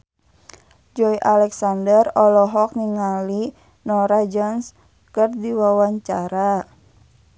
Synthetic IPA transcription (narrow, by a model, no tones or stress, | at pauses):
d͡ʒɔiʔalɛksandərɔlɔɦɔk̚niŋali | nɔɾad͡ʒɔns | kərdiwawaɲt͡ʃaɾa